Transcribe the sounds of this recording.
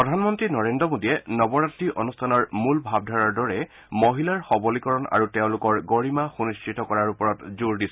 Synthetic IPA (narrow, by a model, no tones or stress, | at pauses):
pɹɔdʱanmɔntɹinɔɹendɔmodijɛnɔbɔɹatɹiʔonustʰanɔɹmulbʱab̚dʱɔɹaɹdɔɹɛ | moɦilaɹxɔbɔlikɔɹɔna̰ɹuteʊ̃lʊkɔɹɡoɹimaxunist͡ʃɹitɔkɔɹaɹupɔɹɔtzuɹdis